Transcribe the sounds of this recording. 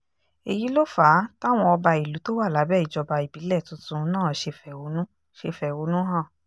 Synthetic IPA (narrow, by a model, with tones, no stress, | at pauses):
e˨ji˨˦lo˦fa˨˦ta˦˨w̃ɔ̃˧ɔ˧ba˧i˨lu˨˦to˦wa˦˨la˨˦bɛ˦˨i˨d͡ʒɔ˧ba˧i˨bi˨˦lɛ˦˨tũ˨˦tũ˧nãː˦˨ʃe˧fɛ˨o˨˦nũ˦ | ʃe˧fɛ˨o˨˦nũ˦ɦã˦˨